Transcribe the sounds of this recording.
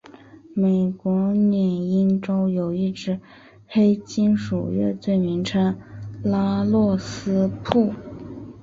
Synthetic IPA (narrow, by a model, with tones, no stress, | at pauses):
me˨˩ɪkwɔ˧˥njɛ˨˩ni˥nʈ͡ʂo˥ʊjo˨˩ʊi˥˩ʈ͡ʂɻ̩˥ | xe˥ɪt͡ɕi˥nʂṵ˨˩ɥɛ̰˥˧t͡swe˥˩ɪmi˧˥ŋʈ͡ʂʰɤ˥ŋla˥lwɔ˥˩sɹ̩˥pʰu˥˩